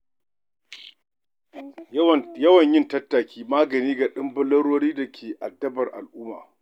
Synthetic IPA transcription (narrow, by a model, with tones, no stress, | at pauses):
jɐ˦wɐ˨ɲjɪ˦ntɐ˦tːaː˨kʲiː˦maː˦ɡɐ˨niː˦ɡa˨ɗɪ˦mbʊ˦lɐ˦ɽoː˦ɽiː˦dɐ˨kʰʲeː˨ʔa˨dːɐ˦bɐ˨rʔa̰˨lʔʊː˦mːa̰ː˨